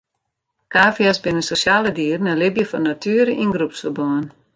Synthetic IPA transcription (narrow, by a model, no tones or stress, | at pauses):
kaːfjasbɪnəsosjaːlədiːrn̩əlɪbjəfɔnːatʰyəɾəinɡrupsəbɔən